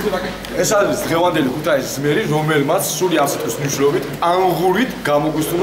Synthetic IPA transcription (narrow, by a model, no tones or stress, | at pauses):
ɛsaisd̪ʁɛvand̪ɛlikʰut̪ʰaiszmɛɾiɾɔmɛlmat̪sʰsuliasɛt̪ʼismniʃilɔbit̪ʰanʁuɾit̪ʰɡamɔɡisu